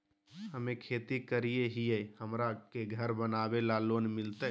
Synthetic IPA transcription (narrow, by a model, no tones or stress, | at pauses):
həmekʰet̪ikəɾijeɦijəhəmɾakeɡʱəɾbənabelalonmilt̪ə